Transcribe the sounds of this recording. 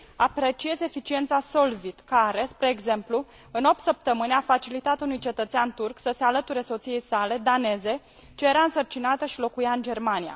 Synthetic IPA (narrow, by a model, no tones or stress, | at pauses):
apɾe̞t͡ʃie̞ze̞fit͡ʃient̪saso̞lvit̪kaɾe̞spɾe̞ːɡze̞mplu | ɨno̞p̚t̪səp̚t̪əmɨneafat͡ʃilit̪at̪unujt͡ʃe̞t̪ət̪seant̪urksəse̞alət̪uɾe̞so̞t̪sije̞jsale̞d̪ane̞ze̞ | t͡ʃejeɾaɨnsərt͡ʃinat̪əʃilo̞kujaɨnd͡ʒe̞rmanija̰